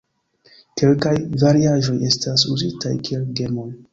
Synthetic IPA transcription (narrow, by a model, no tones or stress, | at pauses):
ke̞lkajvaɾiaʒo̞je̞stasuzitajkie̞lɡe̞mo̞j